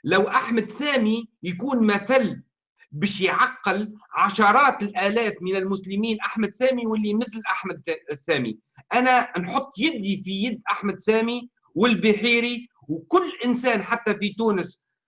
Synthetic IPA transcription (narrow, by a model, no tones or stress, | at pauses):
læwʔaħmæd̪sæːmijkuːnmæθælː | bæːʃjʕɑqːɪlʕɑʃɑɾˤɑːt̪ɪlʔæːlæːfmɪnɪlmʊslɪmiːnʔaħmæd̪sæːmiwɪlːimɪθlʔaħmæd̪sæːmḭ | ʔænænħot̪ˤːjɪd̪ifijɪd̪ːʔaħmæd̪sæːmi | wɪlbɪħiːɾi | wkʊlːʔɪnsæːnħat̪ːæfit̪uːnəs